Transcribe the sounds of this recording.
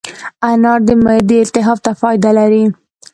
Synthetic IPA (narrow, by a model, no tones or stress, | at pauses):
anɑɾd̪əmad̪iɪlt̪ɪɦɑft̪afɑjd̪alaɾi